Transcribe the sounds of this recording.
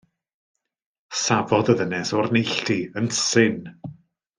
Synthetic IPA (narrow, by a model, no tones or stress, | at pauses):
savɔðəðənɛsɔrnejɬtʰiənsɪn